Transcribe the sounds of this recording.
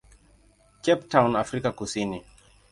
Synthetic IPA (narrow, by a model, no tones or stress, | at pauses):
kɛptawnafɾikakusini